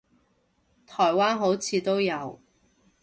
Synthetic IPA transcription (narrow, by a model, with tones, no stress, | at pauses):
t̪ʰɔː˨˩jwaː˥nɦo˨˥wt͡sʰiː˨˧t̪o˥wjɐ˨˧w